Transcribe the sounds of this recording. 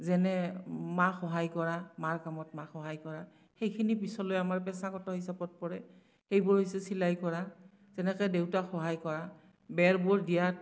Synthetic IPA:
zɛnɛmaxɔɦajkɔɹamaɹkamɔtmaxɔɦajkɔɹa | xejkʰinipisɔlojamaɹpɛsakɔtɔɦisabɔt̚pɔɹɛ | xejbʊɹɦijsɛsilajkɔɹa | zɛnɛkɛdewtaxɔɦajkɔɹa | bɛɹbʊɹdijat̚

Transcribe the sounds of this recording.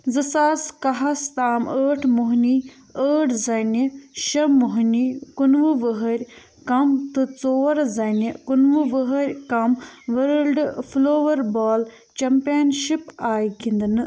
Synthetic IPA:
zɨsaːskɐɦɐst̪aːməːʈʰmuɦni | əːʈʰzɐniʃɐmuɦnikunʋɨʋəɦɐɾʲ | kɐmt̪ɨt͡soːɾzɐnikunʋuʋəɦɐɾʲkɐmʋɐɾlɖfloːʋɐɾbaːl | t͡ʃɐmpenʃipaːjkind̪ɨnɨ

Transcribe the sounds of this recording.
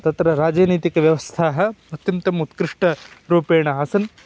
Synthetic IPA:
t̪ɐt̪ɾɐɾaːd͡ʒɐːniːt̪ikɐʋjɐʋɐst̪ʰaːɦɐ̆ɐt̪jɐmt̪ɐmut̪kɾiʂʈɐɾuːpeːɳɐaːsɐn

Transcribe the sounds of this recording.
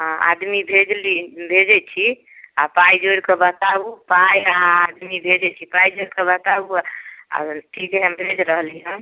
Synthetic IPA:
ɦãa̰d̪mibʱed͡ʒlibʱed͡ʒɛt͡ʃʰi | apajd͡ʒoɽkebət̪abupajaɦãad̪mibʱed͡ʒɛt͡ʃʰipajd͡ʒoɽkebət̪abua̰ʈʰikɦɛmbʱed͡ʒɾəɦliɦə̃

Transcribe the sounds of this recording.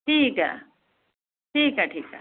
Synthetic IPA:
ʈʰiːka̰ | ʈʰiːkaʈʰiːka̰

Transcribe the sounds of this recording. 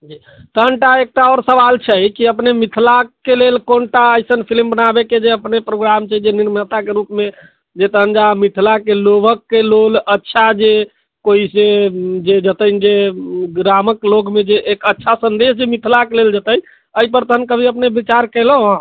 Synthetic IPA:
d͡ʒi | t̪əɦənʈaek̚ʈaɔɾsəʋalt͡ʃʰɛkiəpnemit̪ʰlakelelkonʈaəjsənpʰilmbənabeked͡ʒeəpnepɾoɡɾamt͡ʃʰɛd͡ʒeniɾmət̪akeɾupme | d͡ʒet̪əɦənd͡ʒamit̪ʰlakelobəkːelolətːʃʰad͡ʒe | koised͡ʒed͡ʒət̪ənd͡ʒeɡɾaməkloɡmed͡ʒeʔːkətːʃʰasənd̪esd͡ʒemit̪ʰlakeleld͡ʒət̪ən | əipəɾt̪əɦənkəbʱiəpnebit͡ʃaɾkɛləɦ

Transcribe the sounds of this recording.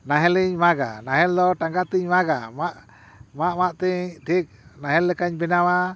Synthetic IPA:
naɦɛliɲmaɡa̰naɦɛld̪ɔʈaŋɡat̪iɲmaɡa̰maʔ | maʔmaʔt̪iɲʈʰik̚naɦɛlːɛkaɲbɛnawa

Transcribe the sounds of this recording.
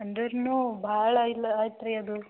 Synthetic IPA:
ɐɳd̪ɐɾnubʱaːɭɐilːɐaːit̪ɾeɐd̪u

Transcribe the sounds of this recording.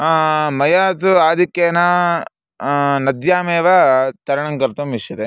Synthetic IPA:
amɐjaːt̪uaːd̪ikːeːnɐ | nɐd̪jaːmeːʋat̪ɐɾɐɳɐŋɡɐɾt̪ɐmiʂɐt̪e

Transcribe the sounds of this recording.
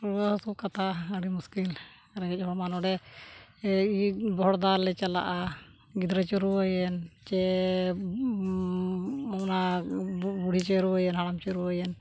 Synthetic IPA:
ɾuasukat̪ʰaəɽimuskil | ɾɛɡɛc̚ˀɦɔɽmanɔɖɛ | ibɔɦɔɽd̪alɛt͡ʃala̰ʔa | ɡid̪ɾɛt͡ʃɔɾuwəjɛnt͡ʃɛ | apna | buɽ̤ʱit͡ʃeɾuəjɛnɦaɽamt͡ʃeɾuəjɛn

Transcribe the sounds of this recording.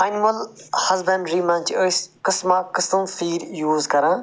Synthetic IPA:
ɐnimɐlhɐzbɐ̃ɳɖɾimɐ̃ːnt͡ʃʰiəskɨsmakɨsəmfiːɾjuːzkɐɾãː

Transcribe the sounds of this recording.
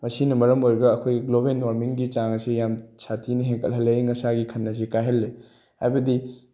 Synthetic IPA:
mɐsinɐmɐɾɐmojɾɡɐːkʰojɡɡlobenwaɾmiŋɡit͡ʃaŋɐsijamsʰatʰinɐɦeŋkʰəlɦɐlːeŋɐsaɡikʰɐnːɐs̬ikajɦɐlːe | hajbɐdi

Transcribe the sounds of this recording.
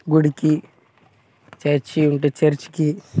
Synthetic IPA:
ɡuɽiki | t͡ʃɐt͡ʃiuɳʈet͡ʃɐɾt͡ʃi̥ki

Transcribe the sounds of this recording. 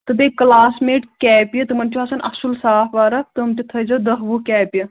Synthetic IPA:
t̪ɨd̪ekɐlaːsmeːʈkʲɛːpjɐt̪ɨmɐnt͡ʃuɐsɐnʔɐ̰sulsaːfʋaːɾɐk̚t̪ɨmtit̪ʰɐzɐd̪ɐɦʋukʲɛːpʲjɐ

